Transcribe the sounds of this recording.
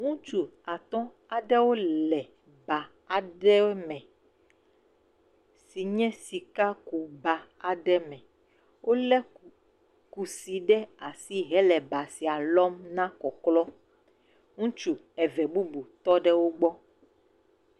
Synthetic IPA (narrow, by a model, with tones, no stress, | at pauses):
ŋũ˦t͡ʃu˦a˨t̪ɔ̃˦ | a˨ɖɛ˦wo˦lɛ˨ | ba˨ | a˨ɖɛ˦mɛ̃˨ | si˨ɲɛ̃˦si˨ka˦ku˨ba˨a˨ɖɛ˦mɛ̃˨ | wʔo˦lɛ˦ | ku˨si˨ɖɛ˦a˨si˦ɦɛ˦lɛ˨ba˨si˨a˨lɔ˦mnã˦kɔ˨klɔ˦ | ŋũ˦t͡ʃu˨ | ɛ˨vɛ˨bu˦bu˨t̪ɔ˦ɖɛ˦wo˦ɡ͡bɔ˦